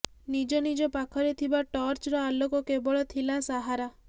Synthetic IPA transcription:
nid͡ʒɔnid͡ʒɔpakʰɔɾet̪ʰibaʈɔɾt͡ʃɾɔalokɔkebɔɭɔt̪ʰilãsaɦaɾa

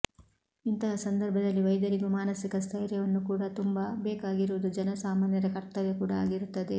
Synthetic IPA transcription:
int̪ɐɦɐsɐnd̪ɐɾbʱɐd̪ɐlːiʋɐjd̪ɐɾiɡumaːnɐsikɐst̪ʰɐjɾjɐʋɐnːukuːɽɐt̪umbɐbɛːkaːɡiɾuʋɐd̪ud͡ʒɐnɐsaːmaːnjɐɾɐkɐɾt̪ːɐʋekuːɽɐa̰ːɡiɾut̪ːɐd̪e̞

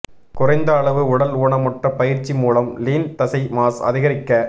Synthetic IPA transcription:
kʊrɐɪnd̪ɐːɭɐʋɯʊɽɐluːɳɐmɔʈrɐpɐjɪɾt͡ʃːimuːlɐmliːnt̪ɐsɐɪmaːsɐ̰ðɪɣɐɾɪkːɐ

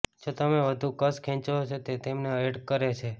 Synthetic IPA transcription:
d͡ʒot̪əmeʋəd̪ʱũkəskʰĩt͡ʃoot͡ʃʰet̪et̪emneəeɖkəɾet͡ʃʰe

